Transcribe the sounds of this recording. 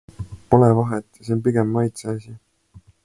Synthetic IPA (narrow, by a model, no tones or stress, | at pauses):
po̞levɑɦet̪ːˑsenpiɡ̥emːɑjt̪seɑsi